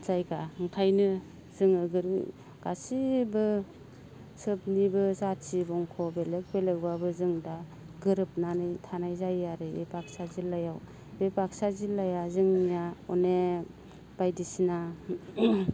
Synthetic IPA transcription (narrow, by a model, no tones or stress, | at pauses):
zajɡaɯŋkʰajnɯ | zɯŋɯɡɯɾɯ̰ | ɡ̥asibɯ | sɯp̚nibɯzatsibɔŋkʰɔbelek̚belek̚babɯzɯŋda | ɡɯɾɯp̚nanɯjtʰanajzajaɾɯbḛpak̚sazilːajaw | bepaksazilːajazɯŋnijaɔne | b̥ajdisina